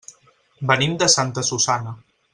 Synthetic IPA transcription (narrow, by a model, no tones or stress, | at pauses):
bənimd̪əsant̪əsusanə